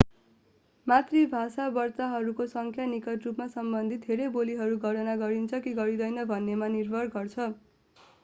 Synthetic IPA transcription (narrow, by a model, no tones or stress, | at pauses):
mat̪ribʱasabʌrt̪aɦʌɾukosʌŋkʰjanikʌʈrupmasʌmbʌnd̪ʱit̪̚d̪ʱeɾejboliɦʌɾuɡʱʌɽʌnaɡʌɾint͡sʰʌkiɡʌɾid̪ʌjnʌbʱʌnːemanirbʱʌɾɡʌrt͡sʰʌ